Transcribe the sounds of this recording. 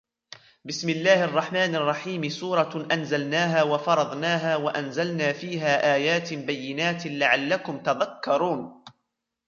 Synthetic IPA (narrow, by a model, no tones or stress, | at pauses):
bɪsmɪlːaːhʔɑrˤːɑħmaːnʔɑrˤːɑħiːmsuːɾˤɑʔanzalnaːɦaːwafɑɾˤɑðˤnaːɦaːwaʔanzalnaːfiːɦaːʔaːjaːt̪ɪbajːɪnaːt̪laʕalːakʊmt̪aðakːɑɾˤuːn